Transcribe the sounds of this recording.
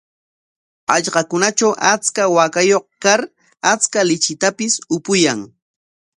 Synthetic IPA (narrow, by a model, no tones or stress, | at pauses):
ɑʎɢɑkʊnat͡ʃawʔat͡skawakajoχkaɾ | at͡skalɪt͡ʃɪt̪apɪsʊpʊjaŋ